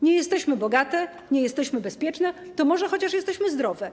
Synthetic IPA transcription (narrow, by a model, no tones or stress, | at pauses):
ɲɛjɛst̪ɛɕmɘbɔɡat̪ɛ | ɲɛjɛst̪ɛɕmɘbɛspʲjɛt͡ʂnɛt̪ɔmɔʐɛxɔt͡ɕaʂjɛst̪ɛɕmɘzd̪ɾɔvɛ